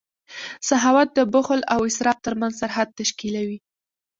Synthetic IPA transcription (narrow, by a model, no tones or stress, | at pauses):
saɦɑwat̪̚d̪əbʊxlawɪsɾɑb̚t̪əɾmanzsaɾɦad̪̚t̪aʃkilawi